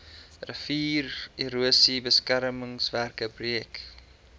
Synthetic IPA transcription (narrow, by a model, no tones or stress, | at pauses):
rəfiːriɾuəsibəskæɾməŋsværkəbriək